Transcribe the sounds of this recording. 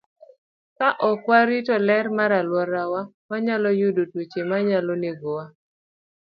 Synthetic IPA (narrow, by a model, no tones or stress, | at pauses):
kaʔɔkwaɾitɔlɛɾmaɾalwɔɾawa | waɲalɔjudotwet͡ʃemaɲalɔneɡowa